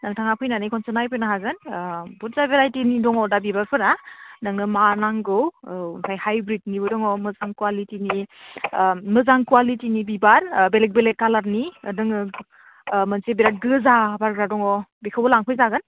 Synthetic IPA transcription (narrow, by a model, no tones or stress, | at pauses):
naŋtʰaŋapʰɯjnanikʰɔnsɯnajpʰɯjnaɦaɡɯnbut̚zabeɾajtinidɔŋɔdabibaɾpʰɯɾanɯŋɯmanaŋɡɯwnsʰajhajbɾit̚nibɯdɔŋɔmɯzaŋkwalitini | mɯzaŋkuwalitinibibaɾbelek̚belekːalaɾnidɯŋɯ | mɯnsebeɾat̚ɡɯzabaɾɡɾadɔŋɔbikʰɯwbɔlaŋpʰɯjzaɡɯn